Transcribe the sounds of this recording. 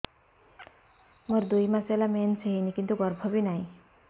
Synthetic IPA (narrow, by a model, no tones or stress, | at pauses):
mʌɾd̪ujmaselamenseɦinikint̪uɡʌɾbʱɔbinaĩ